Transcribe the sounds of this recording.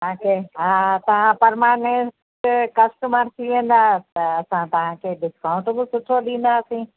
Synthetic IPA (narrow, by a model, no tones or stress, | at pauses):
t̪ɐãkʰeɦat̪ɐʋ̤ãpɐɾmaːnes | kɐsʈəməɾt̪ʰiʋẽːn̆d̪aːt̪ɐːsãt̪ɐʋ̤ãkʰeːɖɪskãʊ̃ɳʈbɪsʊʈʰoɗĩːn̆d̪aːsĩː